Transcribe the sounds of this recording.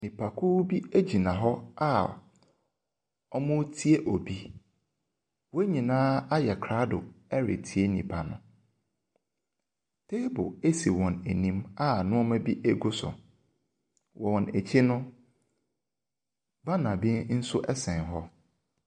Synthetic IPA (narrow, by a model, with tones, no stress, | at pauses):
nĩ˨pʰa˨kʰuː˦bi˦e˦d͡ʑi˨nã˨ɦɔ˦a˦ | ɔ˦mʊ̃˦tʰi˦e˦ʔɔ˨bi˦ | wɔ˦ɲĩ˨nãː˦a˦jɛ˨kʰɾa˦dʊ˨ɛ˦ɾɪ̰˨tʰi˨e˦nĩ˨pʰa˨nʊ̰̃˦ | tʰe˦bʊ˨e˦si˨wɔ̃˨ne˨nĩ˦ma˦nʊ̃˦ɔ˦mã˦bi˦ʔe˦ɡʊ˦sʊ̰˨ | wɔ˨wɔ̃˨ne˨t͡ɕʰi˦nʊ̃˦ | ba˦nã˨bɪ̃˦n̩˦sʊ˦ʔɛ˦sɛ̃˨nɦɔ˦